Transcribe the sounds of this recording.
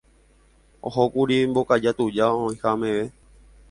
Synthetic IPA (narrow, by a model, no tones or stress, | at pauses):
o̰ɦokuɾimbokad͡ʒat̪ud͡ʒaoĩhamẽʋe